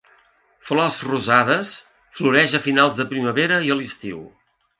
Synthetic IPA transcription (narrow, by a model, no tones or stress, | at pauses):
flɔzruzaðəs | fluɾɛʒəfinalˠzðəpɾiməβeɾəiəlist̪iw